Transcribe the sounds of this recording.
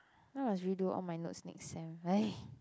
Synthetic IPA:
amasɹiduɔ̰lmajno̰tsnɛ̰ksɛ̃mej

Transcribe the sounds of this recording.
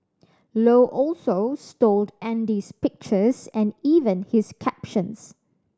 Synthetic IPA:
loʔɔlsostoldʔɛ̃ndispɪk̚t͡ʃəsɛ̃niːvə̃nhɪskʰæp̚ʃə̃ns

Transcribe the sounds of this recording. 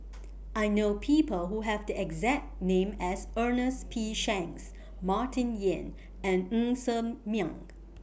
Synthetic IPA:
ʔajnoʊpʰiːpəlɦuɦɛvdiɛkzɛk̚nẽmɛsɜnəspʰiʃɛ̃ŋs | matɪ̃njɛ̃n | ɛ̃nũŋsəmjãŋ

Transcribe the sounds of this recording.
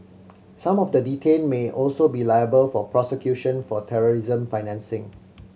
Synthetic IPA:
sãmɔfdəditʰelmeʔɔlsobilajəbəlfɔpʰɹɔsɛkʰjuʃə̃nfɔtʰɛɹɔɹizə̃mfaɪnɛ̃nsɪ̃ŋ

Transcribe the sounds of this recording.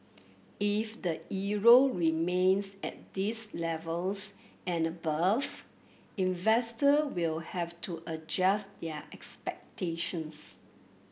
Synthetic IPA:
ɪfdəiɹoɹimẽnsɛ̰t̚dislɛvəls | ɛ̃nəbav | ĩnvɛstəwilhɛvtʰuʔəd͡ʒastdɛʔɛkspɛk̚tʰeʃə̃ns

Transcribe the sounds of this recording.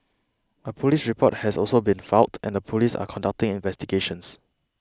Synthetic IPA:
əpʰulisɹipʰɔ̰t̚hɛsɔlsobĩnfaltʔɛ̰̃ndəpʰulisa̰kʰɔ̃ndak̚tɪ̃ŋĩnvɛstiɡeʃə̃ns

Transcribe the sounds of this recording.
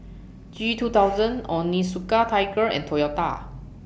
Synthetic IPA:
d͡ʒitut̪ʰawzə̃nõnlisukatʰaɪkəɛ̰̃ntʰojɔta̰

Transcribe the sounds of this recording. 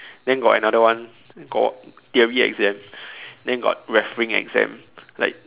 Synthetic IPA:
dɛ̃nɡɔtənadəwãn | ɡɔ̰tiəɹiɛ̰kzɛ̃mdɛ̃nɡɔ̰t̚ɹɛfɹĩŋɛ̰kzɛ̰̃mla̰ɪk̚

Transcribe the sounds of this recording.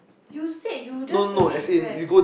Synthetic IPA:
nonoɦɛsinwiɡo

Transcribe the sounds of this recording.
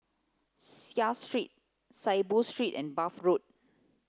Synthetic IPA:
sjastɹit̚ | saɪbustɹitɛ̰̃nbafɹut̚

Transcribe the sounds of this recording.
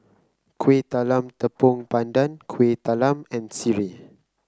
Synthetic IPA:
kwet̪alãmt̪əpʊ̃ŋpãndãnkʰuet̪alãmɛ̃nsiɹi

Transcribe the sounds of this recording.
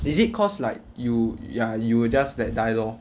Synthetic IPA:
isit̚kʰɔslaɪk̚jujajuwəd͡ʒaslɛt̚dajəlɔɡ

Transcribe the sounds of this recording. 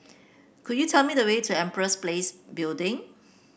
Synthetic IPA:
kʰud̚jutʰɛlmidəwetʰuɛ̃mpɹəsplesbɪldɪ̃ŋ

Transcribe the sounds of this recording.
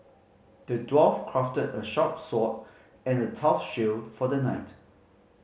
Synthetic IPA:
d̥ədwɔfkʰɹaftədəʃɔp̚sɔt̚ | ɛ̃nətʰafʃilfɔdənaɪt

